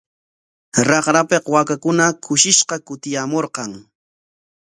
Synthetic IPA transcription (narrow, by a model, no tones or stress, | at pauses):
ɾɑχɾapeqwakakʊnakʰʊʃɪʃqɑkʊt̪ɪjamoɾqɑŋ